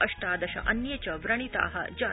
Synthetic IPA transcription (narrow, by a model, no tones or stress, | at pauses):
ɐʂʈaːd̪ɐʃɐ̰ʔɐnjɐt͡ʃɐʋɾɐɳ̃it̪a̰ːɦɐ̰d͡ʒaː